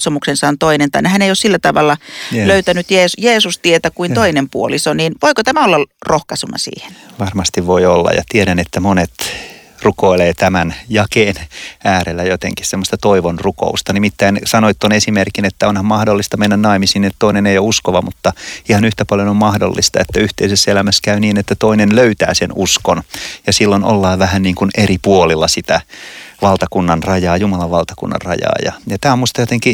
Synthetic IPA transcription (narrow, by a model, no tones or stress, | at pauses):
somuksensɑːnt̪oinent̪ɑ̰nehæneijossilːæt̪ɑʋɑlːɑløyt̪ænyt̪jeːsjeːsust̪iet̪ækuint̪oinempuolisoniːnʋoikot̪æmæolːɑlrohkɑsunːɑ̰sḭːhe̥nʋɑrmɑst̪iʋʋoiolːɑ̰jɑ̰t̪ieɾænet̪ːæmonet̪ | rukoileːt̪æmænjɑkeːnæːɾelːæjot̪ḛŋkissemːost̪ɑt̪oiʋonruko̰ust̪ɑnimit̪ːæinsɑnoit̪ːonesimerkinet̪ːæonhɑmmɑhdolːist̪ɑmenːænnɑimisiːniet̪t̪oineneijouskoʋɑmut̪ːɑihɑnyht̪æpɑljonommɑhdo̰lːist̪ɑ̰et̪ːæyht̪eisesːelæmæskæyniːnet̪ːæt̪oinenløyt̪æ̰ːsenuskonjɑsilːono̰lːɑːʋʋæhænniːŋkuneripuolilːɑsit̪æʋɑlt̪ɑkunːɑnrɑjɑːjumɑlɑʋʋɑlt̪ɑkṵnːɑ̰rrɑ̰jɑ̰ːjɑ̰jɑt̪æːmuist̪ɑjot̪eŋki